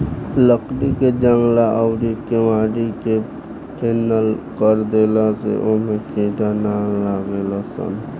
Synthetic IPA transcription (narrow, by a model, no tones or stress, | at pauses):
ləkɖiked͡ʒəŋɡlaʔəwɾikeʋaːɽike | peːnəlkəɾd̪eːlasḛʔomẽkʰĩːʈanalaːɡeːlasə̰n